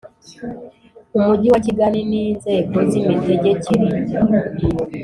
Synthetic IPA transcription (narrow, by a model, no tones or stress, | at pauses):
umuɟiwaciɡaniniːnzeːkozimizeɟeciɾizi